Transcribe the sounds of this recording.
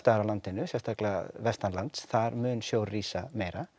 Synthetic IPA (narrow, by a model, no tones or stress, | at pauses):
t̪aɾalant̪ɪnːʏsjɛst̪aklavɛst̪anlant̪sθaɾmʏːnsjoːwriːsameːjɾa